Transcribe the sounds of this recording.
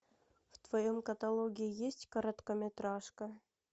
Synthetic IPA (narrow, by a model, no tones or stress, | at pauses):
ft̪vɐjomkɐt̪alˠoɡʲiijesʲtʲkɐɾɐt̪kəmʲɪt̪ɾɑʂkə